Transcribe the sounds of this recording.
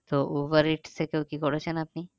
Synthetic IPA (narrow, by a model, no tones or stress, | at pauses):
t̪oʔoʋəɾiʈsekeõkikɔɾet͡ʃʰenapni